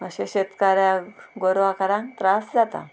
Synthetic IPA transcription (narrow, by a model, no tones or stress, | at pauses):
əɕeɕet̪kaɾjãɡoɾʋakəɾãŋkt̪ɾasd͡zat̪a̰